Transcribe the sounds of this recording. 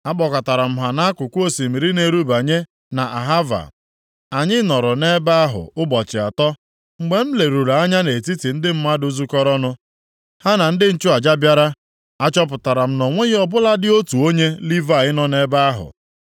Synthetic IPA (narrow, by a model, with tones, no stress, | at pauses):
a˦k͡pɔ˨ka˨ta˨ɾa˨m̩˦ɦa˨na˦a˦kʷʊ˨kʷo˨si˨mi˨ɾi˦ne˨ɾu˦ba˨ɲe˦ | na˨ʔa˨ɦa˦va̰˨ | a˨ɲɪ˦nɔ˨ɾʊ˨ne˦ba˦ɦʊ̰˨ʊ˦bɔ˨t͡ʃɪ˨a̰˨tɔ˦ | ŋ͡m̩˨ɡ͡be˨˦m̩˦le˨ɾu˨ɾa˨a˦ɲa˦ne˨ti˦ti˨n̩˦dɪ˦m̩˦ma˦dʊ˦zu˦kɔ˦ɾɔ˦nʊ˦ | ha˦na˨n̩˦dɪ˦n̩˦t͡ʃu˦a˨d͡ʒa˦bja˦ɾa˦ | a˦t͡ʃɔ˦p̬ʊ˨ta˨ɾa˨m̩˦nɔ˨ŋʷe˦ɣɔ˨bʊ˦la˦dɪ˦o˦tu˨o˦ɲe˦li˦va˨ɪ˦nɔ˦ne˦ba˦a˦ɦʊ̰˨